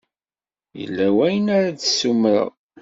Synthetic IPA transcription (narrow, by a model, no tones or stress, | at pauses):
jə̰lːæwæjənaɾadsːumɾə̰